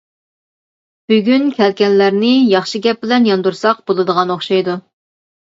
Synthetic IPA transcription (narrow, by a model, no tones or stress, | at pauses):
b̥yɡʲynkʲʰɛlkʲɛnlæɾnɪjɑχʃiɡʲɛp̚bɪlɛnjɑnd̪uɾsɑq̚b̥olˠɨd̪əʁɑnoχʃɑjd̪u